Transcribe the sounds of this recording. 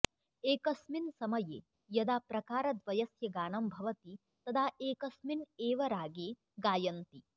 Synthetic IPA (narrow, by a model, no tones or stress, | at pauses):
eːkɐsminsɐmɐjeː | jɐd̪aːpɾɐkaːɾɐd̪ʋɐjɐsjɐɡaːnɐmbʱɐʋɐt̪i | t̪ɐd̪ʰaːeːkɐsmineːʋɐɾaːɡeː | ɡaːjɐnt̪i